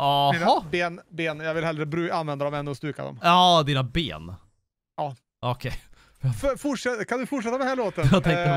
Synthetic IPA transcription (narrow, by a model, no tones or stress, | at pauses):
ahnaɑbeːnbeːnjɑɡvɪlɦɛld̪ɾəbɾʉːanvɛnd̪ad̪ɔmɛnːʉɔst̪ʉːka̰d̪ɔ̰mɑd̪iːnabḛːn | ɑː | ɔkʰɛj | ffʊʂɛkʰand̪ɵfʊʈʂɛt̪ːad̪ɛnhæɭoːt̪ənjɑt̪ʰɛŋt̪ə